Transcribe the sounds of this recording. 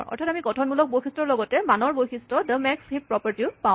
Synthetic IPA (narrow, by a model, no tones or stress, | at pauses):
ɹɔ̰ɹtʰatamikɔtʰɔnbulɔk̚bojxistɹɔɹlɔɡɔtɛmanɔɹbojxistɹɔdəmɛkshipːɹɔpɔɹtiʊpã